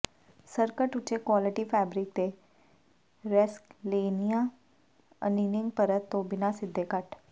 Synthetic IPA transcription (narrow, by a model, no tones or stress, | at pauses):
səɾkəʈʊt͡ʃekwaːlɪʈiːpʰɛːbɾɪk̚t̪e | ɾɪskleːnijãː | ə̰niːnɪ̃ŋɡ̚pəɾət̪ːõːbɪnasɪd̪ʱːeːkəʈ